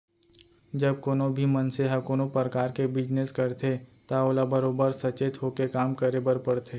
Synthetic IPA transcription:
d͡ʒɐb̚koːnobʱimɐnseɦɐkoːnopɾəkaːɾkebɪd͡ʒneskɐɾt̪ʰet̪aoːlabəɾoːbəɾsɐt͡ʃeːt̪ɦoːkekaːmkəɾebəɾpɐɽt̪ʰe

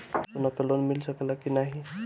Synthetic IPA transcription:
sonɔpelonmilsəkelakinaɦi

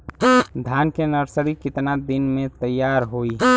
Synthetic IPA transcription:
d̪ʱaːnkenəɾsəɾikɪt̪nad̪ɪnmẽt̪əjːaːɾɦoi

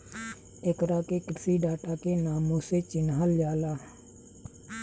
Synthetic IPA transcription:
ekɾaːkekɪɾsiːɖaːʈaːkenaːmõset͡ʃɪnɦald͡ʒaːlaː

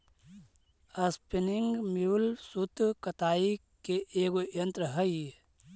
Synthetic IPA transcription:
ɐspinɪŋɡmiwlsut̪kɐt̪aːi | keʔeːɡojɐ̃nt̪ɾəɦəi

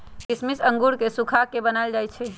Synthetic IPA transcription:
kɪsmisə̃ŋɡuɾkesukʰakebənald͡ʒajt͡ʃʰɛ

